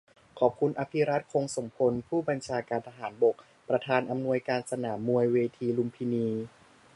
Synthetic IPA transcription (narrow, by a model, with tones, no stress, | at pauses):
kʰɔː˨˩p̚kʰu˧nʔa˧pʰi˦˥ɾa˦˥t̪̚kʰo˧ŋso˩˦ŋpʰo˧npʰuː˥˩ba˧nt͡ɕʰaː˧kaː˧nt̪ʰa˧ɦaː˩˦nbo˨˩k̚ | pɾa˧t̪ʰaː˧nʔa˧mnu˧əjkaː˧nsa˧naː˩˦mːu˧əjweː˧t̪ʰiː˧lu˧mpʰiː˧niː˧